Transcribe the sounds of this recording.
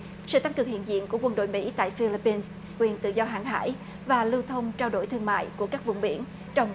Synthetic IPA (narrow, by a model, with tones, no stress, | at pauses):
sɨ̰˧˨t̪a˧ŋkɨ˨˩əŋhḭ˧˨ənzḭ˧˨ənku˧˩əkwə˧˩nɗo̰˧˨jmḭ˧˥t̪a̰ː˧˨jfi˧li˧pi˧ns | kwi˨˩ənt̪ɨ̰˧˨zɔ˧ɦa̰ː˧˨ŋɦa̰ː˧˥j | vaː˨˩lɨ˧wt̪ʰə˧wŋ͡mt͡ɕaː˧wɗo̰˧˩jt̪ʰɨ˧əŋma̰ː˧˨jku˧˩əkaː˦˥k̚vʊ̰˧˨wŋ͡mɓi˧˩ən | t͡ɕɔ˧wŋ͡m